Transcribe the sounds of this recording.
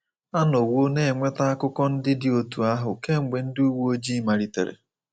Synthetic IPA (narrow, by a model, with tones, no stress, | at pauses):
a˦no˨wo˦ne˦˨ŋʷe˦ta˦a˦kʊ˦kɔ˦n̩˦dɪ˦dɪ˨o˨tu˨a˦ɦʊ˨ke˦ŋ͡m̩˨ɡ͡be˨n̩˦du˦wu˦o˦d͡ʒi˦ma˨ɾi˨tḛ˨ɾḛ˨